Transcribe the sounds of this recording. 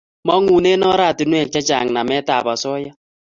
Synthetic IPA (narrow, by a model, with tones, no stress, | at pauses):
mɔ˦ŋu˨ne˦nɔ˦ɾa˦˨ti˨nwɛ˨t͡ʃa˦t͡ʃa̰˨ŋna˨mɛ˦ta˨ba˨sɔ˦ja˦